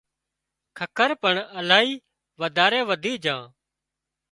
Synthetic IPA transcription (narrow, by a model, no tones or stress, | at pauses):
kʰəkʰəɾpəɳəlaːɦiː | ʋəd̪ʱaːɾẽːʋəd̪ʱiːd͡ʒãː